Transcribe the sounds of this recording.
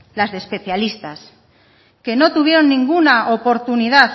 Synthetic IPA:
lazðespe̞θjalist̪as | ke̞no̞t̪uβ̞je̞ɾo̞nːĩŋɡunaʔopo̞ɾt̪uniðaθ

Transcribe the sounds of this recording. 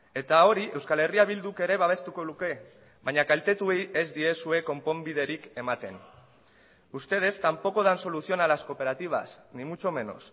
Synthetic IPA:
e̞t̪ao̞ɾiʔe̞wskale̞riaβ̞ild̪uke̞ɾe̞βaβ̞e̞st̪uko̞luke̞ | βaɲakalt̪e̞t̪ue̞je̞zd̪ie̞sue̞ko̞mpo̞mbið̞e̞ɾike̞mat̪e̞n | ust̪e̞ð̞e̞st̪ampo̞ko̞ðanso̞lusio̞nalasko̞pe̞ɾat̪iβ̞a̰snimut͡ʃo̞me̞no̰s

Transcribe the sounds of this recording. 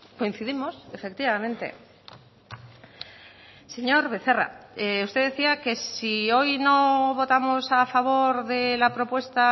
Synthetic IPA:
ko̞in̟θiðimo̞sefe̞k̚t̪iβamẽ̞nt̪e̞̰ | se̞ɲo̞ɾβe̞θe̞ra̰eust̪eðeθiake̞sio̞jno̞βo̞t̪amosafaβ̞o̞ɾðe̞lapɾo̞pwe̞st̪a

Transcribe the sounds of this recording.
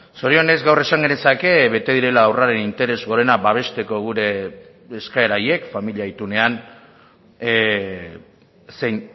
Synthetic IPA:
so̞ɾio̞ne̞zɡawre̞saŋɡe̞nesake̞βe̞t̪e̞ðiɾe̞laːwraɾe̞nint̪e̞ɾe̞zɣo̞ɾe̞nabaβ̞e̞st̪e̞ko̞ɣ̞uɾe̞ː | skae̞ɾaje̞kfamiliait̪une̞an | sejn

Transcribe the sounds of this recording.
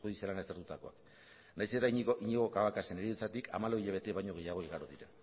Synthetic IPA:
uðisielanast̪eɾt̪ut̪ako̞ak | najse̞t̪aiɲiɣo̞kaβakase̞neɾiðut͡sat̪ika̰malo̞iʎaβ̞e̞t̪eβajɲo̞ɣ̞e̞jaɣ̞o̞iɣaɾoðiɾa

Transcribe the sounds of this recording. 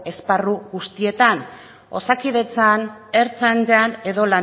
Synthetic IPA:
e̞sparuɣust̪ie̞t̪an | o̞̰sakiðe̞t͡saneɾt͡sand͡ʒane̞ðo̞la

